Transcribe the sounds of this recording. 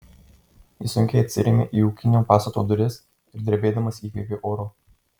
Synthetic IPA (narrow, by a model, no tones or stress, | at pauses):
jisʊŋʲkʲɛɪɐt̪ʲsʲɪ̰ɾʲɛmʲeʔiːuːkʲɪnʲoːpɑːst̪ɐt̪oːd̪ʊɾʲɪs | ɪɾd̪ʲɾʲɛbʲeːd̪ɐmɐsiːkʲɾʲɛpʲeːʔoːɾoː